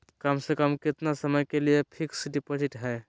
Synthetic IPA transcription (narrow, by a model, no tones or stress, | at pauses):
kamsẽkəmkɪt̪nasəməjkelijepʰiksɖipoziʈɦɛj